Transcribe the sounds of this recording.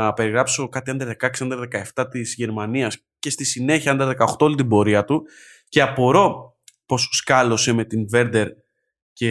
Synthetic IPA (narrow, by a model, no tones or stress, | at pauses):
ɐpe̞ɾiɣɾɐpso̞kɐt̪iɐnd̪ɾɐðe̞kɐksiɐnd̪ɾɐðe̞kɐe̞ft̪ɐt̪izʝe̞ɾmɐniɐs | ce̞st̪isine̞çiɐɐnd̪ɾɐðekɐoxt̪oolit̪̬ibo̞ɾiɐt̪u | ce̞ɐpo̞ɾo̞ | po̞su̥skɐlo̞se̞me̞t̪inve̞ɾd̪e̞ɾ | ce